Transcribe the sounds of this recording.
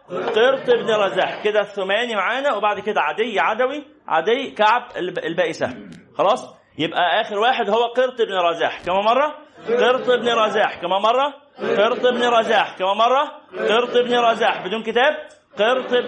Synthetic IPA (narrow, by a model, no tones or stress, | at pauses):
qeɾt̪ˤebniɾˤɑzaːħked̪æθomæːnimaʕaːnæwebaʕd̪ked̪æʕad̪ejːʕad̪æwi | ʕa̰d̪ejːkaʕbelbæːʔɪsæ̰xɑlɑːsˤ | jebʔæʔæːxeɾwaːħed̪howːæqeɾt̪ˤʔebniɾˤɑza̰ːħkæmæːmɑrˤːɑqeɾt̪ˤebniɾˤɑzːħkæmæːnmɑrˤːɑ | qeɾt̪ˤebniɾˤɑzaːħkæmæːmɑrˤːɑqeɾt̪ˤebniɾˤɑzaːħbed̪uːnket̪æːb̚ | qeɾt̪ˤ